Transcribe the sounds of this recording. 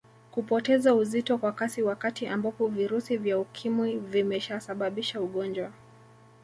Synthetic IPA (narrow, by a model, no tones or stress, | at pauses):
kupɔtɛzauzitɔkwakasiwakatiʔambapɔviɾusivjaukʰimwivimɛʃasaɓaɓiʃauɠɔnd͡ʒwa